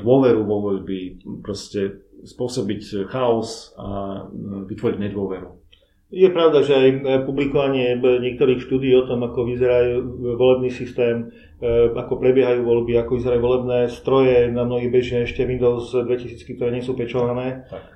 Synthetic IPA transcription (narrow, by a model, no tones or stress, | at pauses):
d̪ʊɔʋɛɾuʋɔʋɔʎbipɾɔscɛ | spʊɔsɔbicxaɔsa | ʋit̪ʋɔɾiɟɲɛd̪ʊɔʋɛɾu | jɛpɾaʊd̪aʒɛajpublikɔʋaɲɪɛɲɪɛk̚t̪ɔɾiːxʃt̪uːd̪iːɔt̪ɔmakɔʋizɛɾajuːʋɔlɛbniːsist̪ɛːm | akɔpɾɛbɪɛɦajuːʋɔʎbiakɔʋizɛɾajuːʋɔlɛbnɛːst̪ɾɔjɛnamnɔɦibɛʒmɛɛʃcɛʋind̪ɔʊzd̪ʋɛcisiːt͡skikt̪ɔɾɛːɲɪɛsuːpɛt͡ʃɔʋanɛː